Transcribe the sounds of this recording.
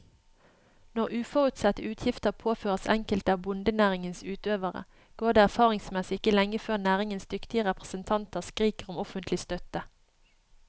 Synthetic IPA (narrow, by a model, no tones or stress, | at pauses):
nɔʁʉːfɔʁʉt̪sɛt̪əʉːt̪ʰjɪft̪əʁpʰoːføːʁəsɛ̰ŋkəlt̪əɑʋbʊnd̪ənæːʁɪŋənsʉːt̪øːʋəʁə̰ | ɡ̥oːd̪eːæʁfɑːʁɪŋsmɛsɪɪkəlɛŋəføːʁnæːʁɪŋənsd̪ʏkt̪ɪəʁɛpʁəsənt̪ʰɑnt̪əʁskʁiːkəʁɔmɔfənt̪lɪst̪œt̪ə